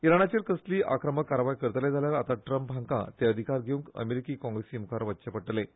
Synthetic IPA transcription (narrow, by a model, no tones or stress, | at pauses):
iɾaɳ̃at͡ɕeɾkəsliːʔa̰kɾəməkːaɾʋajkəɾət̪əled͡zʱaljaɾat̪aʈɾəmpbʱãŋkã̰t̪eəd̪ʱikaɾɡʱeũŋkə̰meɾikiːkɔ̃ŋɡɾesiːmukʰaɾʋətːɕəpəʈle